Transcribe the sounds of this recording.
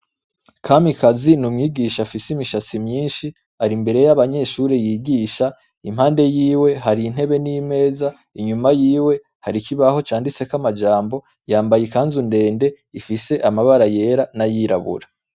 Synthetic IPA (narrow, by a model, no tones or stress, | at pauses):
kʰamikazinumŋiːɡiːʃafisimiʃat͡simɲiːnʃi | aɾimbe̞ɾe̞jaβaɲe̞ʃuɾejiːɡiːʃa | imhaːnde̞jiːwe̞ɦaɾiːn̥he̞βe̞nime̞ːza | iɲumajiːwe̞ | haɾikiβaho̞t͡ʃaːndit͡se̞kamad͡ʒaːmbo̞ | jaːmbajekaːnzunde̞ːnde | ifise̞ʔamaβaɾaje̞ːɾanajiɾa̰βṵɾa